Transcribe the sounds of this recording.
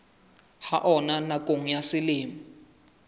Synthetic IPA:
haʔɔnanakʼoŋ̩jasɪlɪːmi

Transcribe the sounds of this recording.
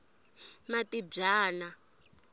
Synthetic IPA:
matib͡ʐaːna

